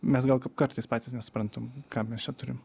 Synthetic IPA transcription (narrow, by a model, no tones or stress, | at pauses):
mʲɛs̬ɡɐlˠkkɐɾt̪ɐɪspɑːt̪ʲiːsnʲɛsʊ̥pɾɐnt̪omkɑːmʲɛst͡ʃʲɛt̪ʊɾʲɪm